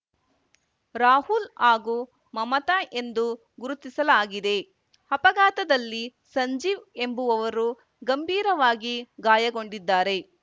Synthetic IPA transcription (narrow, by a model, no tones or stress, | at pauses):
ɾaːhulaːɡu | mɐmɐt̪aʔe̞nd̪u | ɡuɾut̪ːisɐlaːɡid̪e̞ | hɐpɐɡaːt̪ɐd̪ɐlːisɐɲd͡ʒiːʋe̞mbuʋɐʋɐɾu | ɡɐmbʱiːɾɐʋaːɡiɡaːjɐɡo̞ɳɖid̪ːaːɾe̞